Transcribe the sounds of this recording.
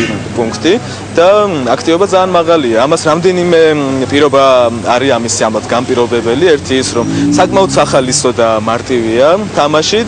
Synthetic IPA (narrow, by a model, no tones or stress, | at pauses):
pʼuŋkʰt̪ʼi | d̪̥aakʰt̪ʼivɔbad̪zaːnmaʁaliaːmasɾamd̪ɛnimɛpʼiɾɔbaːɾiamisiamlˠat̪ʰɡampʼiɾɔbɛbɛliɛɾt̪ʰiːsɾɔmsakʼmaɔt̪saχalisɔd̪amaɾt̪ʼiviat̪ʰamaʃi